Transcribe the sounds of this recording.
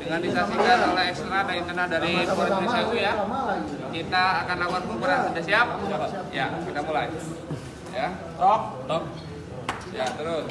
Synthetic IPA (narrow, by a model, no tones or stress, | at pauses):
dəŋandisasiɡaalaɛkst̪ənadaint̪ənadaɾipoɾanisakuja | kit̪aːkanawarpʊnbəɾaadasiapajakit̪amulaj | ja | ɔk̚t̪k̚ | jat̪əɾʊs